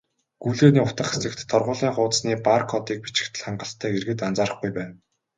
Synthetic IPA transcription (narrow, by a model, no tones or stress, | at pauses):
ɡ̥uɮeːniːʊt̪ə̆χat͡sɘ̆kt̪ʰːɔrʁʊːɮiːŋχʊːt̪sniːparkʰɔt̪iːk̚pit͡ɕɪ̆kt̪ʰɘ̆ɮχaɴɢə̆ɬt̪ʰːæːerɣɘ̆t̪ant͡saːɾə̆χɡujpæːn